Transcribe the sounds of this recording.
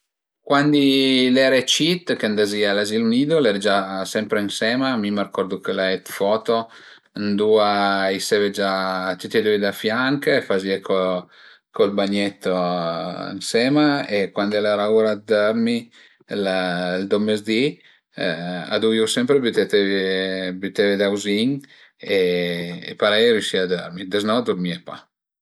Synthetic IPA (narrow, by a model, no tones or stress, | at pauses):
kwand̪ilɛɾet͡ʃit̪ːkeand̪azialaziluniːd̪olɛɾd͡ʒasɛmpɾeinsɛːmaːmimarkɔrd̪okelaɛt̪fɔːt̪o | nd̪uːaiseved͡ʒat͡ʃ̪it̪ːɛd̪ued̪afjaŋkːfaziakʰo | kolbaɲet̪ːo̰ | nsɛmaekwand̪ɛlɛɾauɾad̪øɾmi | lld̪omːezd̪i | a̰d̪uiusɛmpɾebyt̪et̪evbyt̪eved̪awziɲ | ḛː | paɾɛjɾjuʃiad̪øɾmid̪eznɔd̪uɾmiepa̰